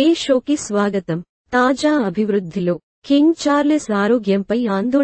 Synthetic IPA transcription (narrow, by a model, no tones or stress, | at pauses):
eːʃoːkisʋaːɡɐt̪ɐm | t̪aːd͡ʒaːɐbʱiʋɾud̪ʱːiloː | kiŋɡt͡ʃaːɾlesaːɾoːɡjɐmpɐjaːnd̪o